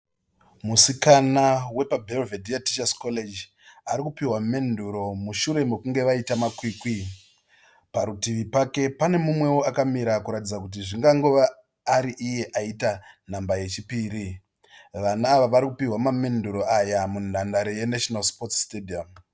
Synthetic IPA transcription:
musikanawe̞pabʱelvediati̥t͡ʃaskole̞d͡ʒ | aɾikupiwame̞nduɾo̞muʃuɾe̞mekuŋɡe̞ʋaitamakwiːkwi | paɾutiʋipake̞pane̞mumwe̞woakamiɾakuɾatid͡zakut̬iʐiŋɡaŋɡoʋaː | ɾiʔije̞ʔaitan̤ambaje̞t͡ʃipiːɾi | ʋanaːʋaʋaɾikupiɦwamame̞nduɾo̞ʔajamunandaɾeje̞naʃonalspo̞tstediam

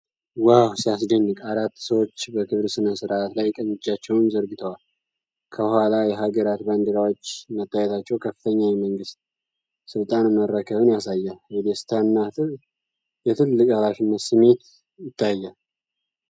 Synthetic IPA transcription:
wawsijasdəɲːɨkʼaɾat̪ːsəwo̞t͡ʃːbəkʰɨβɾsɨnəsɨɾʔat̪lajkʼəɲːɨt͡ʃːat͡ʃːɛwnzəɾɡɨt̪ʰəwal | kʰəhʷwalajɛɦaɡəɾat̪band̪əɾawot͡ʃːmət̪ʰːajɛt̪ʰat͡ʃːɛwkʰəfːɨt̪ʰəɲːajɛməŋɡɨst̪̚ | sɨlt̪ʼanməɾːəkʰəβɨnjasajːalhɛd̪ɛst̪ʰanːa | jɛt̪ʰɨlːɨkʼalafɪnːət̪sɨme̞t̪ | jɪt̪ʰːajːal

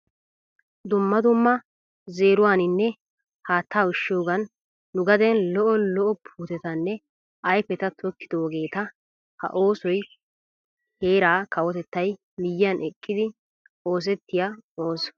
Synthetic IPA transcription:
d̪ʊmːɐd̪ʊmːɐ | ze̞ːɾʊwaːnɪnːɛ | haːt̪ʰːaːʊʃːoːɡɐnː | ʊɡɐd̪ɛnlɔʔɔlɔʔɔpʰuːt̪ɛt̪ɐnːɛ | ɐjfɛt̪ɐt̪ʰɔkːɪd̪oːɡe̞ːt̪ɐ | hɐ̰ʔoːsɔj | he̞ːɾaːkɐwɔt̪ɛt̪ːɐj | mɪjːɪɐnʔɛkʼːɪd̪ɪ | o̞ːs̬ɛt̪ːɪjaoːs

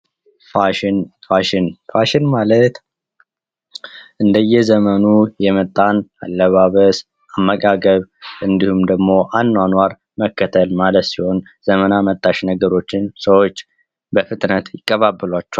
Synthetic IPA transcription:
faʃnfaʃɪnfaʃɪnmalət̪ | ʔɨnd̪əjːɛzəmənujɛmət̪ʼːana̰lːəβaβəs | amːəkʼaɡəβʔɨnd̪ihumd̪əɡmo̞ʔand̪anwaɾ | məkːət̪ʰəlmalət̪siho̞n | z̥əmənamət̪ʼːaʃnəɡəɾo̞t͡ʃːɪnsəwo̞t͡ʃː | bəfɨt̪ʼnət̪jɪkʼːəβabːɨlwat͡ʃːɛ

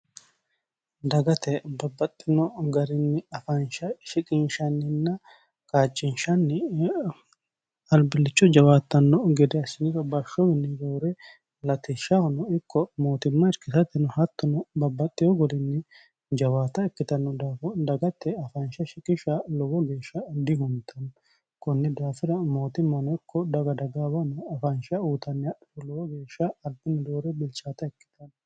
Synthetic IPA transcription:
d̪ɐɡɐt̪ɛbɐbːɐt̪ʼːɪnɔɡɐɾɪnːɪɐfɐnʃɐʃɪkʼɪnʃɐnːɪnːɐ | kʼaːt͡ʃʼːɪnʃɐnːɪ | ɐlbɪlːɪt͡ʃːɔd͡ʒɐwaːt̪ːɐnːɔɡɛd̪ɛɐsɪnɪɾɔbɐʃːɔmɪnːɪɡoːɾɛ | lɐt̪ɪʃɐhɔnɔɪkːɔmo̞ːt̪ɪmːɐɾkːɪt̪ɐt̪ːɪnɔhɐt̪ːɔnɔbɐbːɐt̪ʼːɪjɔɡɔlɪnːɪ | d͡ʒɐwaːt̪ɐɛkːɪt̪ɐnːɔd̪aːɔd̪ɐɡɐt̪ʰːɛɐfɐnʃɐʃɪkʼɪʃɐlɔwɔɡe̞ːʃːɐd̪ɪhʊnt̪ʰːɐnːɔ | kɔnːɪd̪aːfɪɾɐmo̞ːt̪ɪmːɐnɔɪkːɔd̪ɐɡɐd̪ɐɡaːbɐnɔɐfɐnʃɐuːt̪ɐnːɪlɔwɔɡe̞ːʃːɐːd̪ɪnːɪd̪o̞ːɾɛbɪlt͡ʃaːt̪ɐɛkːɪ̥t̪ɐnːɔ

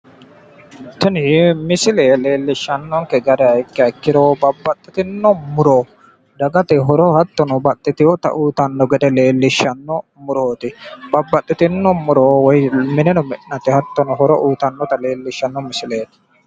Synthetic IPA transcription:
t̪ɪnɪmɪsɪleːle̞ːlːɪʃːɐnːɔŋkɛɡɐd̪ɛɐɪkːɛɐkːɪɾoːbɐbːɐt̪ʼːɪt̪ɪnːɔmʊɾoː | d̪ɐɡɐt̪ɛɦɔɾɔhɐt̪ːɔnɔbɐt̪ʼːɪt̪ɪjɔt̪ɐ̰ʔuːt̪ɐnːɔɡɛd̪ɛle̞ːlːɪʃːɐnːɔmʊɾoːt̪ɪbɐbːɐt̪ʼːɪt̪ɪnːɔmʊɾoːwɔjmɪnɛnɔmɛʔnɐt̪ɛhɐt̪ːɔnɔhɔɾɔ̰ʔuːt̪ɐnːɔt̪ɐle̞ːlːɪʃːɐnːɔmɪsɪleːt̪ɪ̥

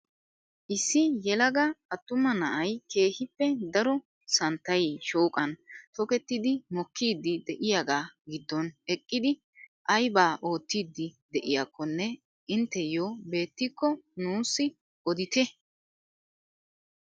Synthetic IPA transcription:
ʔɪsːɪjɛlɐɡɐɐt̪ːʊmɐnɐʔɐjke̞ːhɪpːɛd̪ɐɾɔ | sɐnt̪ːɐjʃo̞ːkʼɐnt̪ɔkɛt̪ːɪd̪ɪmɔkːiːd̪ːɪd̪ɛʔɪjaɡaːɡɪd̪ːɔnɛkʼːɪd̪ɪ | ʔɐjbaːʔo̞ːt̪ːiːd̪ːɪd̪ɛʔɪjakʰːɔnːɛ | ɪnt̪ːɛjoːbe̞ːt̪ːɪkːɔnuːsːɪ | ɔd̪ɪt̪ɛ

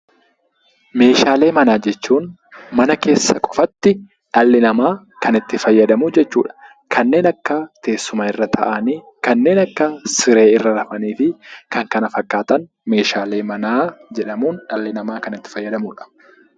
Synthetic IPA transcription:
me̞ːʃaːle̞ːmɐnaːd͡ʒɛt͡ʃːuːn | mɐnɐke̞ːsːɐkʼɔ̥fɐt̪ːɪ | ᶑɐlːɪnɐmaː | kɐnɪt̪ːɪfɐjːɐd̪ɐmʊd͡ʒɛt͡ʃːṵːᶑɐ̥ | kʰɐnːe̞ːnɐkːɐt̪ʰe̞ːsːʊmaɪrːɐt̪ʰɐ̰ʔɐniː | kɐnːe̞ːnɐkːɐsɪɾe̞ːɪrːɐɾɐfɐniːfɪkɐŋkɐnɐfɐkːaːt̪ɐn | me̞ːʃaːle̞ːmɐnaːd͡ʒɛᶑɐmuːnᶑɐlːɪnɐmaːkɐnɪt̪ːɪ̥fɐjːɐd̪ɐmuːᶑɐ̥

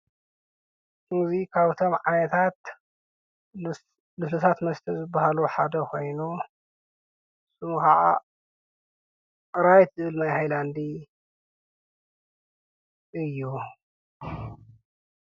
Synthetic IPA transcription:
kuŋzikʰaβt̪ʰo̞mʕa̰nɐt̪ʰat̪ | lɨsut̪ʰat̪mɐst̪ʰizɨbːahaluħa̰d̪ɐkʰo̞jnu | sumkaʕa̰ | ɨɾajt̪ʰɨʔɨlmajhajland̪i | ʔɨjːu

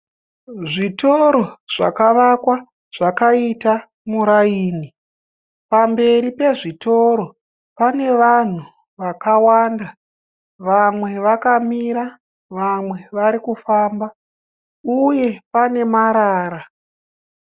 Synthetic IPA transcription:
ʐito̞ɾo̞ʐ̥a̰kaʋakwa | ʐ̥akaita | muɾaiːni | pambe̞ɾipe̞ʐitʰo̞ɾo̞ | pane̞ʋan̤u | ʋakawaːnda | ʋamwe̞ʋakamiɾa | ʋamwe̞ʋaɾikufaːmba | uje̞pane̞maɾaːɾa

